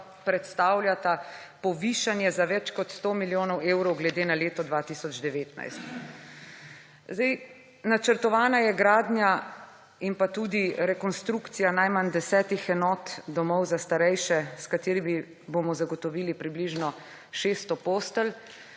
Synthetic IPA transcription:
pɾɛt̪st̪aːwljat̪apɔʋiːʃanjɛzaʋɛt͡ʃkɔt̪st̪oːmiljoːnɔweːwɾɔwɡlɛd̪eːnaleːt̪ɔd̪ʋaːt̪isɔd͡ʒd̪ɛʋeːt̪na̰jst̪ | zd̪ɛj | nat͡ʃəɾt̪ɔʋaːnajɛɡɾaːd̪nja | inpat̪ud̪iɾɛkɔnst̪ɾukt̪sijanajmand̪ɛsɛːt̪ixɛnɔːt̪d̪ɔmɔwzast̪aɾɛjʃɛskat̪eːɾimi | bomɔzaɡɔt̪ɔʋiːlipɾibliʒnɔ | ʃeːst̪ɔpoːst̪əl

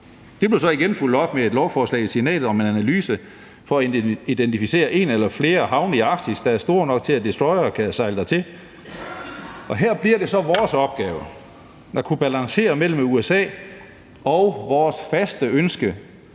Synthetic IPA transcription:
d̥e̝b̥le̝sɒ̽iɡ̥enful̰d̥ɒ̽b̥mee̝d̥lɒʊfɒːslɛ̰ɪisinɛ̰ːd̥ð̩ˠɒ̽me̝nænælyːsə | fɒ̽æid̥ent͡sʰifise̝̰ːɐʔe̝ːnelɐfle̝ːɐɦɑ̈ʊniɑ̈ɡ̥sisd̥ɑ̈æɐsd̥o̝ːɐ̰nɒ̽ɡ̥̚t͡sʰe̝læd̥esd̥ʁɒɪɐkʰæsɑ̈ɪləd̥ɑ̈ɪt͡sʰe̝l | ʔɒ̽ɦeɐ̰b̥liɐɾ̥e̝sɒ̽ʋɒːsɒ̽b̥̚ɡ̥ɛːʊɐ | nɑkʰub̥ælɑ̈ŋse̝̰ːɐmel̰m̩uesɛ̰ː | ɒ̽ʊʋɒːsfæsd̥əønsɡ̥ə

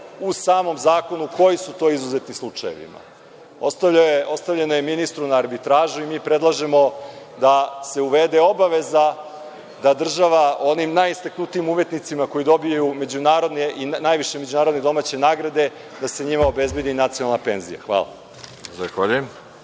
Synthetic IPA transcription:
usaːmo̞mzaːko̞nuko̞jisut̪o̞ːizuzet̪nislˠut͡ʂajḛʋḭma̰ | ost̪o̞st̪avʎe̞noje̞minist̪ɾunaːɾbit̪ɾaːʒuimiːpɾe̞d̪lˠaʒe̞mo̞ | d̪ase̞uʋed̪eo̞baʋe̞za | d̪ad̪r̩ʒaʋao̞nimnajist̪aknut̪ijimumje̞t̪nit̪simako̞jid̪o̞bijajume̞d͡ʑunaːɾo̞d̪neʔinaːjʋiʃeme̞d͡ʑunaːɾod̪ne̞d̪o̞maːt͡ɕenaːɡɾad̪e̞ | d̪ase̞ɲimao̞be̞zbje̞d̪inat̪sionalnape̞nzḭja̰xʋa̰ːlˠa̰ | zaexaʎiim

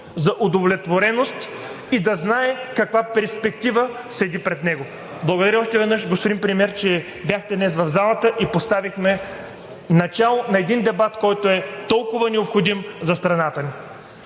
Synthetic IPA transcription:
zɐʔod̪ovlʲɛt̪voɾɛnost̪ | id̪ɐznaɛkɐkvapɛɾspɛkt̪ivə | sɛd̪ipɾɛd̪nɛɡo | blˠɐɡod̪ɐɾəɔʃt̪ɛvɛd̪nɤʃɡospʊd̪impɾimɛɾt͡ʃɛ | bjaxt̪ɛd̪nɛsvɐvzalˠɐt̪əʔipost̪avixmɛ | nɐt͡ʃalˠonɐɛd̪ind̪ɛbat̪kɔjt̪oɛt̪ɔlˠkʊvɐnɛopxod̪imzɐst̪ɾɐnat̪əni

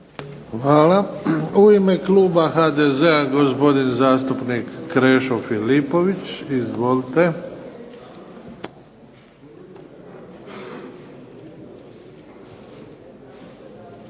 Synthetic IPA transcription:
xʋaːlauimekluːbaxad̪ezeaɡospo̞d̪inzaːst̪upnikːɾeːʃofilipo̞ʋit͡ɕizʋolt̪e

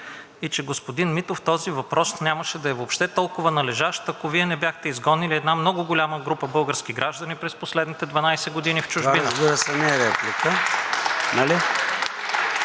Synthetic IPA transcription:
it͡ʃɛɡospod̪inmit̪oft̪ɔzivɐpɾɔsnʲaməʃɛd̪ɐɛvoːpʃt̪ɛt̪ɔlˠkʊvɐnɐlɛʒaʃt̪ɐkoviɛnɛbʲjaxt̪ɛizɡɔnːiliɛd̪namnɔɡʊɡolʲaməɡɾupəbɤlˠɡəɾskʲiɡɾʔaʒd̪ənipɾɛsposlɛd̪nit̪ɛd̪vɐnajsɛɡod̪inift͡ʃʊʒainɾəzbiɾəsɛnɛɾɛplikə | nali

